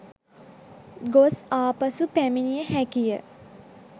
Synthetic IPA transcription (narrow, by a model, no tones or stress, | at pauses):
ɡosaːpəsupæminijəɦækijə